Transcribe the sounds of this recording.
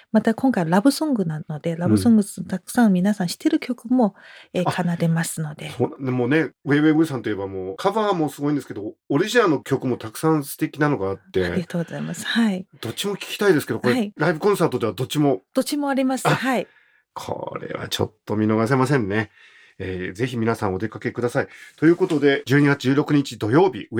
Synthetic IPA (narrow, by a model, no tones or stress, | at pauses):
mat̪akõ̞ŋkaiɾabɯ̟sõ̞ŋɡɯ̟nãno̞d̪e̞ɾabɯ̟sõ̞ŋɡɯ̥mot̪akɯ̟̥sãɰ̃mʲinasãɰ̃ɕi̥t̪eɾɯ̟kʲo̞kɯ̟mo̞eːkʰanaɾe̞masɨno̞d̪e̞soːnãd̪emoːne̞eːβebɯsãnt̪oie̞bamoːkʰaβaːmo̞sɨɡo̞ĩd̪esɨke̞d̪o̞oɾʲiʑinano̞kʲokɯ̟mo̞t̪akɯ̟̥sãɰ̃sɨ̥t̪e̞kʲinano̞ɡaːt̪ːe̞aiɡat̪oːɡozaimasɨ̥haid̪̥o̞t͡ɕimo̞kʲi̥kʲi̥t̪aid̪esɨ̥ke̞d̪okoeiɾaibɯ̟kõ̞ɰ̃saːt̪o̞d̪e̞βad̪o̞t͡ɕimo̞d̪̥ot͡ɕimo̞aɾʲimasɨahai | kʰo̞̰ɾḛβa̰t͡ɕo̞̰t̪ːo̞mʲino̞ɡas̬e̞mas̬ẽnːe̞ | eːze̞çimʲinasãɰ̃o̞d̪e̞kake̞kɯd̪asait̪o̞jɯ̟ːko̞t̪o̞d̪e̞d͡ʑɨ̟ːɲ̟iɡat͡sɨ̥ʑɨːɾo̞kɯ̟ɲ̟it͡ɕid̪o̞jo̞ːbʲḭ